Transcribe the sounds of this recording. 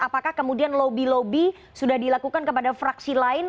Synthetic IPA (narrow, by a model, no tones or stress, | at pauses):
apakahkəmudianlobilobi | sudahdilakukankəpadafɾaksilaɪn